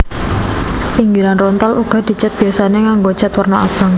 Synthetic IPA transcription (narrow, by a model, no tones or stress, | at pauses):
iŋɡiɾanrɔnt̪aluɡ̥a̤d̪̥i̤t͡ʃat̪̚b̥ijasaneŋaŋɡot͡ʃət̪wərnɔa̰b̥a̤ŋ